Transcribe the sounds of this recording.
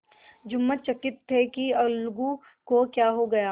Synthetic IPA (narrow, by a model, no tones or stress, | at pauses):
d͡ʒʊmːat͡ʃɐkɪt̪ʰːekiɐlɡu | kokjaːɦoɡɐjaː